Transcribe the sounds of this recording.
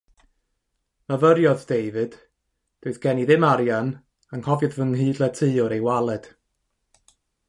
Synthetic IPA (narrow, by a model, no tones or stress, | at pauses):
mavəɾjɔðd̥ejvɨd̥ | d̥oɨθɡ̥ɛniðɪmaɾjan | aŋhɔvjɨðvəŋɦiːdlˠətʰɨːɔɾejwalˠɛd̥